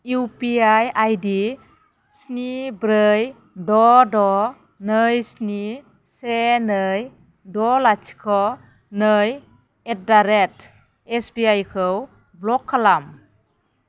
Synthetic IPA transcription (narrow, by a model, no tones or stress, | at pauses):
upiajajdi | snibɾəj | dɔdɔ | nəjsni | senɯj | dɔlat͡ʃʰi̥kʰɔ | nɯj | et̚daɾet | esbiajkʰɯw | blɔkʰːalam